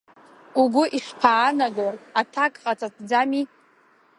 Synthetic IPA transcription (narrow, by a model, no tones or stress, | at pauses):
uɡʷʊʔiʂpʰaːnaɡaatʰakʼqʼat͡sʰʼatʰd͡zami